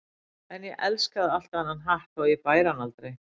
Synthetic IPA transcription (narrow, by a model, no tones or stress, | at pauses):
ɛnjɛʔɛlskaðal̥t̪aanːanɦaht̪ajɛpaːjɾanalt̪ɾej